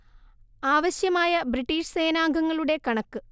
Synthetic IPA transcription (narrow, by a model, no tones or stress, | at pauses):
aːʋɐɕjɐmaːjɐbriʈːiːʂse̞ːnaːŋɡʱɐŋːɐɭuɽe̞kɐɳɐkːɨ